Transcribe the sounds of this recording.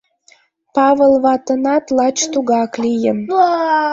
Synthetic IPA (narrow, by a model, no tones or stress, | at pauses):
pɑβəlβɑt̪ənɑt̪lɑt͡ɕt̪uɣɑklijəm